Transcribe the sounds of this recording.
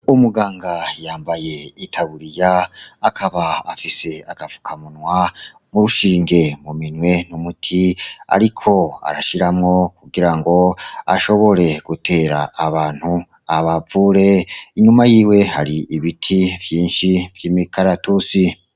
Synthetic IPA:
umuɡaːŋɡajaːmbaje̞itʰaβuɾijaːkʰaβaːfise̞aɡ̥avu̥kʰamunwa | muɾuʃiːŋɡe̞muminwe̞numutʰia̰ɾikʰo̞a̰ɾaʃiɾamŋo̞kuɡiɾaŋɡo̞a̰ʃo̞βo̞ɾe̞ɡ̥utʰe̞ːɾaːβaːn̥hu | aβavuɾe̞iɲumajiːwe̞haɾiʔiβitʰivjiːnʃivjiːmikʰaɾatusi

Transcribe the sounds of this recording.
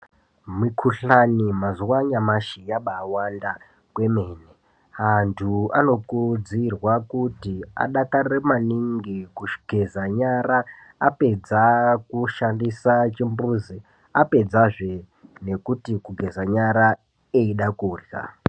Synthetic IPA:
mikʰuɬanimazuwaɲamaʃijaɓaːwanda | kwe̞me̞ːne | ɦantʰua̰no̞kud͡zirwakutia̰ɗakaremaniŋɡikuʃɡ̥ʱezaɲaɾaː | pe̞d͡zakuʃandisat͡ʃimbuzi | ape̞d͡zaʐe̞ | ne̞kutikuɡʱe̞zaɲaɾa | eiɗakuːrja̰

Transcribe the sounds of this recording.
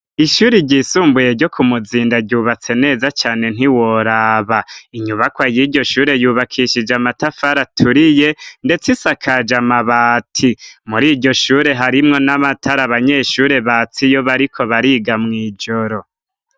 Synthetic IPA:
iʃuːɾiɟiːsuːmbuje̞ɾɟo̞kʰumuziːndaɟuːβat͡se̞ne̞ːzat͡ʃaːne̞n̥iwoɾaːβaiɲuβakwajiːɾɟo̞ʃuːɾe̞juːβakʰiʃid͡ʒamatafaɾatʰuɾije̞nde̞t͡sisakʰad͡ʒamaβaːtʰimuɾiːɟo̞ʃuːɾe̞ɦaɾimŋo̞namatʰaɾaβaɲe̞ːʃuːɾe̞βat͡sijo̞βaɾikʰo̞βaɾiɡamŋiːd͡ʒo̞ɾo̞

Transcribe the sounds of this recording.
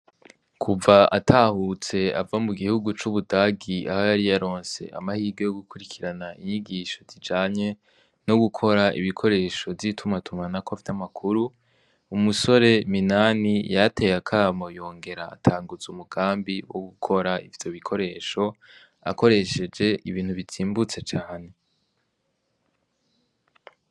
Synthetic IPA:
kʰuvaa̰tʰahut͡se̞a̰vamuɡihuɡut͡ʃuβudaɡiʔa̰hojaɾijaɾo̞ːnse̞̰ʔa̰mahiːɡo̞joɡukuɾikʰiɾanaiɲiɡiːʃo̞vid͡ʒaːɲe̞ | no̞ɡukʰo̞ɾaḭβikʰo̞ɾe̞ːʃo̞vjitʰumatʰumanakoafitamakʰuɾu | umuso̞ɾe̞minanijatʰe̞jakʰamo̞jo̞ːŋɡe̞ɾa̰ːtʰaːŋɡuzumuɡ̥aːmbiwo̰ɡukʰo̞ɾaḭvjo̞βikʰo̞ɾe̞ːʃo̞ | a̰ko̞ɾe̞ʃe̞d͡ʒe̞ʔiβiːn̥huβiziːmbut͡se̞t͡ʃaːhane

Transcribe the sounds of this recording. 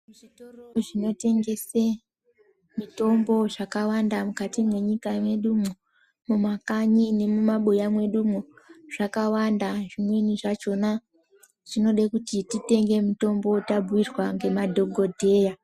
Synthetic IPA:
muʐitorooʐino̞te̞ŋɡe̞se | mito̞mbo̞ʐakawandamukatimwe̞ɲikamwe̞ɗumu | mumakaɲine̞mumaɓujamwe̞ɗumuʐ̥akawandaʐimweniʐat͡ʃo̞na | ʐ̥ino̞ɗekutitite̞ŋɡe̞mito̞mbo̞tabʱwirwaŋɡe̞madʱo̞ɡʱo̞dʱe̞ːja

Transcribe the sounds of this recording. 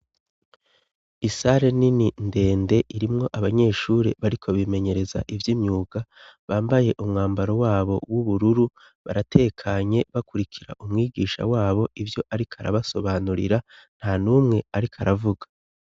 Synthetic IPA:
isaɾe̞nininde̞ːnde̞ʔiɾimŋo̞ʔaβaɲe̞ːʃuːɾḛβaɾikʰo̞βime̞ɲe̞ɾe̞za̰ʔivjimɲuːɡ̥aβaːmbaje̞ʔumŋaːmbaɾo̞waːβo̞wuβuɾuɾu | βa̰ɾatʰe̞kʰaɲe̞βakuɾikʰiɾa̰ʔumŋiːɡiːʃa̰waːβo̞ʔivjo̞ʔaɾikʰaɾa̰βaso̞βaːnuɾḭɾan̥hanuːmŋe̞aɾikʰaɾavuɡḁ

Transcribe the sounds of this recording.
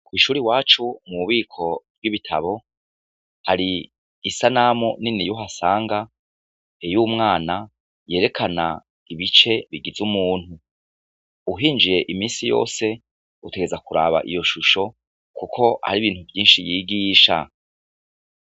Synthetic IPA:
kwiʃuːɾiwaːt͡ʃumuuβiːkʰo̞ɾɡiβitʰa̰βo̞ | haɾiː | sanamuninijuɦasaːŋɡa | ejuːmŋaːna | je̞ːɾe̞kʰana̰ | iβit͡ʃe̞βiɡizumuːn̥hu | uɦiːnd͡ʒije̞ʔimiːnsijo̞̰ːse̞ | uteɡe̞zakuɾa̰βa̰ʔḭjo̞ʃuʃo̞ | kukʰo̞ʔa̰ɾiβiːnhuvjiːnʃijiːɡiːʃa̰

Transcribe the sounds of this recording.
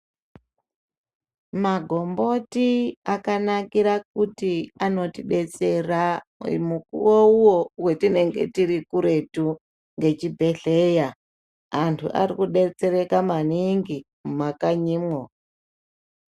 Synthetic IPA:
maɡʱo̞mbo̞tiakanakiɾak̚utiano̞tiɗe̞t͡se̞ra̰mukṵwouwo̞we̞tine̞ŋɡe̞̰tiɾikuɾe̞tu | ŋɡe̞t͡ʃibʱe̞ɬe̞ja | antʰṵʔa̰rikuɗe̞t͡se̞ɾe̞kamaniŋɡi | mmakaɲiːmwo

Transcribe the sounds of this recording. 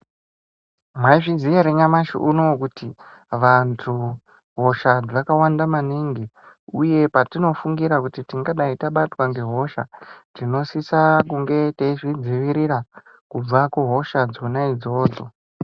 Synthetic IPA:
mwaiʐid͡zijeɾeɲamaʃḭʔuno̞kutiʋantʰu | ɦo̞ʃad͡zakawandamaniŋɡi | uje̞patino̞fuŋɡiɾakutitiŋɡaɗaitaɓatwaŋɡe̞ɦo̞ʃatino̞sisakuŋɡe̞teiʐid͡ziʋiɾira | kub͡vakuɦo̞ʃad͡zonaid͡zo̞ːd͡zo̞̰

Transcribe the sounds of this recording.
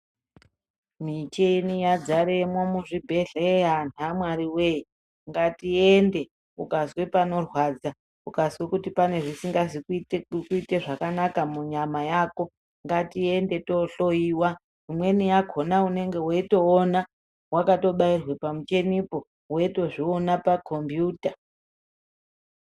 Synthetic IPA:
mit͡ʃenijad͡zaɾemwomuʐibʱe̞ɮeanamwaɾiwe̞ji | ŋɡatiende̞ | ukazwepano̞rwad͡za | ukaswe̞kutipane̞ʐisiŋɡazikuitekukuite̞ʐakanakamuɲamajaːko̞ | ŋɡatie̞nde̞to̞ɬo̞jiːwa | imwe̞nijaɡʱo̞naune̞ŋɡe̞woito̞ːna | wakato̞ɓairwe̞pamut͡ʃe̞nipo̞ | weito̞ʐionapakʰombjuːta

